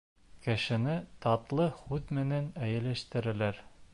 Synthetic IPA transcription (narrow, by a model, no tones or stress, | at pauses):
kɘ̆ʃɘ̆nɘt̪ɑt̪lˠɤhʉðmɘ̆nænæjɘ̆læʃt̪ɘ̆ɾæ̆læɾ